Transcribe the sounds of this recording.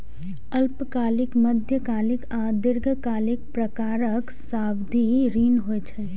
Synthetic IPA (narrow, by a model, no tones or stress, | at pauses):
əlpkaːlɪkməd̪ʱjəkaːlɪkad̪ɪɾɡʱəkaːlɪk̚pɾəkaːɾəksaːbd̪ʱiɾiːnɦoɛt͡ʃʰɛ